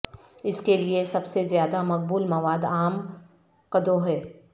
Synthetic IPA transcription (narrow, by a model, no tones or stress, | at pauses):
ɪskeliesɐbsezjaːd̪amɐq̚buːlmɐʋaːd̪aːm | qɐd̪oɦɛː